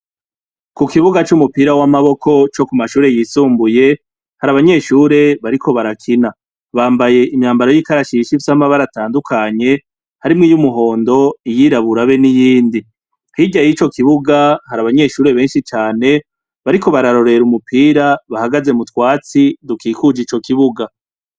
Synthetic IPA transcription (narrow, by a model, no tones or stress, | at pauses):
kukiβuɡat͡ʃumupiːɾawamaβo̞kʰo̞t͡ʃo̞kumaʃuːɾe̞jisuːmbuje̞ | haɾaβaɲe̞ːʃuːɾe̞βaɾikʰo̞βaɾakʰina | βaːmbaje̞ʔimɲaːmbaɾo̞jikaɾaʃiʃifsamaβaɾataːndukʰaɲe̞ | haɾimŋiːjumuɦo̞ːndo̞ijiɾaβuɾaβe̞nijiːndi | hiːɟajit͡ʃo̞kiβuɡahaɾaβaɲe̞ʃuːɾe̞βe̞ːnʃit͡ʃaːne̞ | βaɾiko̞βaɾaɾo̞ɾe̞ɾumupʰiːɾaβahaɡaze̞mutwaːt͡sidukiːkud͡ʒit͡ʃo̞kiβuɡa